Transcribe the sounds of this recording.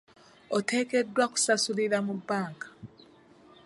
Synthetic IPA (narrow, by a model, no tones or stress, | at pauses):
ote̞ːke̞dːwaku̥sasuliɾamubːaːŋkḁ